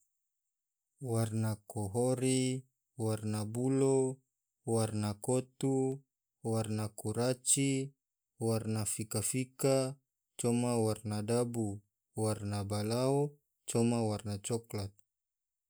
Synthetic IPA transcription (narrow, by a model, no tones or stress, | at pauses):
warnakɔɦɔɾi | warnabulo | warnakɔt̪u | warnakuɾat͡ʃi | warnafikafika | t͡ʃɔmawarnadabu | warnabalao | t͡ʃɔmawarnat͡ʃɔklat̪̚